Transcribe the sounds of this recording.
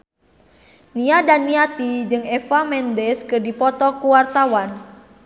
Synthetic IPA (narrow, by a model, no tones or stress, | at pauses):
niadaniat̪id͡ʒɨŋɛfamɛndɛskɨrdipɔt̪ɔkuwart̪awan